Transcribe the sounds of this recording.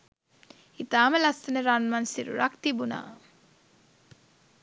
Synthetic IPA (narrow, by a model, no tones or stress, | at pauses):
it̪aːməlɐsɐneɾanmɐnsiɾṵɾɐ̰kt̪ibuna̰ː